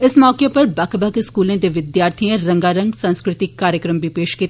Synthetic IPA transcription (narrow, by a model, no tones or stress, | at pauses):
ɪsmɔːkepɐɾbɐkʰbɐkeskuːlẽd̪eʋɪd̪jaːɾt̪ʰijẽɾɐ̃ŋɡaːɾɐ̃ŋɡsɐ̃nskɾɪt̪ɪkːaːɾjəkɾəmbʱipeːʃkiːt̪